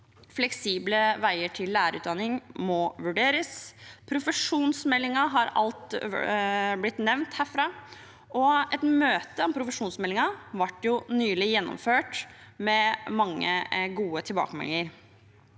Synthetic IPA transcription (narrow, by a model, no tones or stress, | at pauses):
flɛksiːbləʋæɪəʈʰɪlːæːɾəʉːt̪d̪ɑnːɪŋmɔʋʉɖeːɾəspʰɾʊfəʂuːnsmɛlːɪŋɑɦɑɾɑ̰lt̪ | blɪt̪nɛʋnt̪hæːɾfɾɑː | ʔɔɛt̪møːt̪əɔmpʰɾʊfəʂuːnsmɛlːɪŋɑʋɑʈːjʊnyːlɪjɛnːɔ̰mføːʈmɛmɑŋːə̰ɡuːət̪ʰɪlbɑ̰ːkəmɛ̰lːɪŋəɾ